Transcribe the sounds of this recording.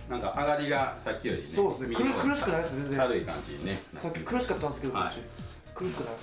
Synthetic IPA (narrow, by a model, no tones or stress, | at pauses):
nãŋkaʔaɡaɾʲiɡasakʲːio̰ɾʲisoːd̪esɨneikɯɾkɯ̟ɾɯɕi̥kɯnaid̪esẽ̞nzeɾɯ̟ikã̰ɲd͡ʑḭɲine | sakʲːikɯɾɯɕi̥kat̪ːand̪eskeoa̰ɕi | kɯ̟ɾɯɕi̥kɯnais